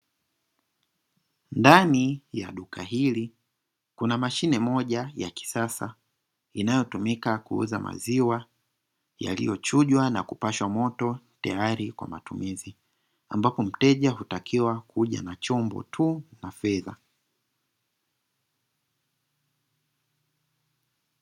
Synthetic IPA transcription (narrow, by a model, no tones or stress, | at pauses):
ndanija̰ɗukʰaɦili | kunamaʃinɛmɔʄajaki̥sasa̰ | inajɔtumikakuṵzamʔa̰ziwa | ja̰lḭjɔt͡ʃuʄwana̰kupaʃwamɔtɔtajaɾikwa̰matumizi | ambapɔm̩tɛʄaɦutakʰiwakuʄa̰nat͡ʃɔmbɔ̰tʰunafɛða